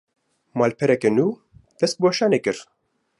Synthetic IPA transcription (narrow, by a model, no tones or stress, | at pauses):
mɑːlpʰɛɾɛkɛnuː | d̪̥ɛst̪̚boːʃɑːnekɨɾ